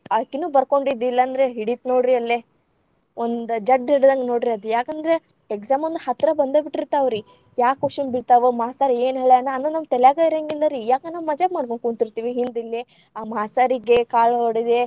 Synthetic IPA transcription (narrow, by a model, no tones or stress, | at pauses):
ɐkːinuːbɐɾko̞ɳɖid̪ilːɐːnd̪ɐɾeɦiɽit̪noːɖɾiɐlːe | ond̪ud͡ʒɐɖiɽd̪ɐŋɡenoːɽɾiɐd̪ujaːkɐnd̪ɾeeɡsaːmond̪uhɐt̪ɾɐbɐnd̪oːbiʈːiɾt̪ːaːʋɾi | jaːkoʂimbiɽt̪aːʋemaːsaːɾeːnɦeːɭeɐnɐnːunɐm̚t̪ɛljaːɡaːjɾɐŋɡilːɐɾijaːkɐnaːʋmɐd͡ʒɐbmaːɽkoɳkuɳt̪iɾt̪iːʋiɦind̪ilːe | aːmaːsaːɾiɡekaːɭɦoɽid̪e